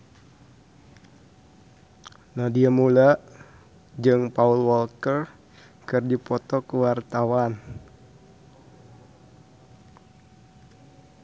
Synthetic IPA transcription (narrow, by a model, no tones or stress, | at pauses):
nahdiamula | d͡ʒɨŋpaulwɔlkər | kɨrdipɔt̪ɔkəwart̪awan